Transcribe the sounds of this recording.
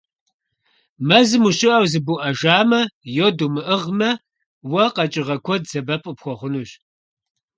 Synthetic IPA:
mɐzɨmuɕɪʔɐwzɨbuʔɐʒaːmɐjodumɨʔəʁmɐ | wɐqɐt͡ʃʼɪʁɐkʷʰɔdzɐbɐpʼɨpxʷɔχʷʊnuːɕ

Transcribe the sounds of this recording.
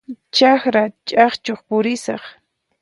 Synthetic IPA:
t͡ʃaxɾat͡ʃʼɑχt͡ʃoχpʊɾɪsɑχ

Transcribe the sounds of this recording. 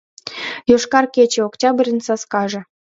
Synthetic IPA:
joʃkɑrket͡ɕĕoktʲɑbrʲənsɑskɑʒɤ̆

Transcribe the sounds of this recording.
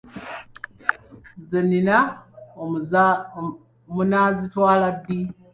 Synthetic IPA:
zenːina | munazitwaːladːi

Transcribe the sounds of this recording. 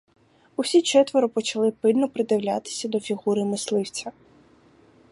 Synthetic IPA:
usʲit͡ʃɛt̪ʋɔɾʊpɔt͡ʃɐlˠɪpɪlʲnɔpɾɪd̪ɪwlʲa̰t̪ɪ̥sʲɐd̪ɔfʲiɣuɾɪmɪslˠɪwt͡sʲɐ

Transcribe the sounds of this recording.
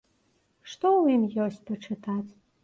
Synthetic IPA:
ʂt̪owimjɔsʲt͡s̚ʲpɐʈ͡ʂɨt̪ʰat͡s

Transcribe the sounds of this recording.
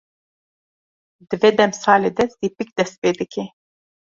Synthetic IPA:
d̪ɨved̪ɛmsɑːleːd̪ɛzd̪ipik̚d̪ɛst̪̚peːd̪ɨkʰe

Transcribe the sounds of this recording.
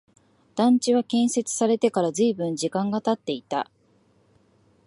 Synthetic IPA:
d̪̥ãɲ̟t͡ɕiβakẽ̞ɰ̃se̞t͡sɨ̥saɾe̞t̪e̞kaɾazɨːbɯ̟̃ɲ̟d͡ʑikãŋɡat̪at̪ːe̞it̪a̰

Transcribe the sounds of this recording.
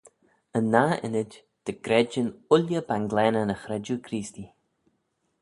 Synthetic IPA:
ənːaːɪ̰nɪd͡ʒ | d̪̥əɡ̥ɾɛd͡ʒənʊljəbanɡlɛːnənəxɾɛd͡ʒuɡʰɾiːst̪i

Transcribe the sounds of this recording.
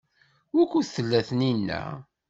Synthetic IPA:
wækːuθθəlːæθninːæ̰

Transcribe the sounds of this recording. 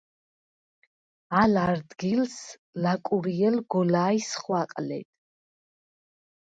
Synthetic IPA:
alaɾd̪ɡils | lakʼuɾiɛlɡɔlaːisχwaqʼlɛ̰t̪ʼ

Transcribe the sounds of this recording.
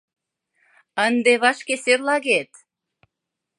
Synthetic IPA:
ənd̪eβɑʃkeserlɑɣet̪

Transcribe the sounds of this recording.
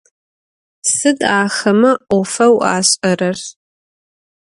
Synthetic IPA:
sɨdaːxɐmɐʔʷɔfɐwaːɕʼɐrɐr

